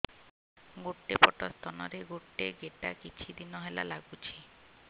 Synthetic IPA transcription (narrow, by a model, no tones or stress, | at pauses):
ɡoʈːepɔʈɔst̪ʰɔnɔɾeɡoʈːeɡeʈakit͡ʃʰid̪inɔɦela̰laɡut͡ʃʰi